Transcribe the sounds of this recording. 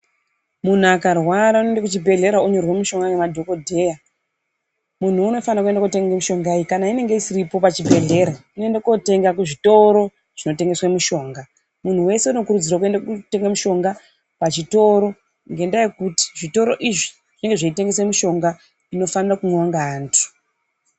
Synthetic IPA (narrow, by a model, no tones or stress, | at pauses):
mun̤uakarwaɾaunondakut͡ʃibʱe̞ɮe̞ɾauɲo̞rwemiʃo̞ŋɡanemadʱo̞ko̞dʱe̞ːja | mun̤uːno̞fanrakue̞ndakuteŋɡemuʃo̞ŋɡaikanaine̞ŋɡeisiɾipo̞pat͡ʃibʱe̞ɮe̞ːɾainoendeko̞te̞ŋɡakuʐito̞ɾo̞ | ʐ̥ino̞te̞ŋɡe̞swamuʃo̞ːŋɡa | mun̤uwe̞se̞uno̞kuɾud͡zirwak̬uendakute̞ŋɡemuʃo̞ŋɡa | pat͡ʃito̞ɾo̞ | ŋɡe̞ndaje̞kuti̥ʐito̞ɾo̞ʔiʐi | ʐine̞ŋɡeʐaite̞ŋɡe̞s̬emuʃo̞ŋɡa | ino̞fanirakunaŋɡaːntʰu̥